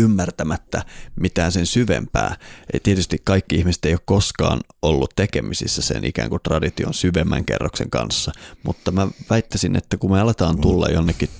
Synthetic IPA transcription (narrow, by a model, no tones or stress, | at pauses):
ymːært̪æmæt̪ːæmit̪æːnsensyʋḛmpæ̰ːḛit̪iet̪yst̪ikkɑikːiihmise̥t̪eijokkoskɑ̰ːnolːut̪t̪ekemisḭsːæsḛnʔḭkæ̰ːŋkut̪rɑdit̪ionsyʋemːæ̰ŋkḛrːoksḛŋkɑ̰nsːɑmut̪ːɑmæʋæit̪ːæsinʔḛt̪ːækumeɑlet̪ɑːnt̪ulːɑ̰jjonːekːi